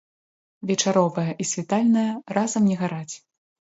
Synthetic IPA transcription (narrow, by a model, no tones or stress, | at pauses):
vʲɛt͡ʂaɾɔvɐjɐʔisʲvʲɛt̪alʲnɐjɐrazɐmnʲɛɣaɾat͡sʲ